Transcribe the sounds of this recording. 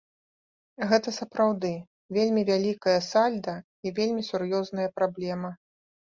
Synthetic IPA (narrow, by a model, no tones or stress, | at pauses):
ɣɛt̪ɐsɐpɾawd̪ɨ | vʲelʲmʲivʲalʲikɐjɐsalʲd̪ɐ | ivʲelʲmʲisurjɔznɐjɐpɾablʲɛmɐ